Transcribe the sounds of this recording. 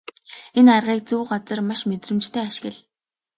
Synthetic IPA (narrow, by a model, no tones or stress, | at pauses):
enarʁiːk̚t͡suːɢat͡sɞ̆rmaʃmet̪rɘ̆mt͡ɕt̪ʰæːaʃɪ̥̆ɣɘ̆ɮ